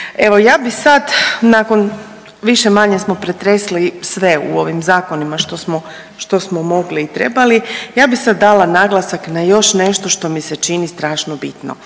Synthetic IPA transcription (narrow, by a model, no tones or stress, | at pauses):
e̞ʋo̞jaːbisad̪nakon | ʋiʃemaɲesmo̞pɾet̪ɾeslisʋe̞ṵo̞ʋimzaːko̞nimaʃt̪osmo | ʃt̪o̞smomo̞ɡliːt̪ɾḛbalijaːbixsad̪ːalˠanaɡlˠasaknajo̞ʃneʃt̪o̞ʃt̪o̞miset͡ʃinist̪ɾaːʃnobit̪no̰